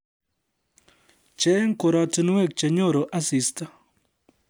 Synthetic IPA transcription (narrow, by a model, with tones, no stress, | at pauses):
t͡ʃe˦ŋ˦ko˨ɾɔ˨tɪ˦nwe˦˨k̚t͡ʃe˨ɲo˦˨ɾo˨ʔa˦si˨sta˦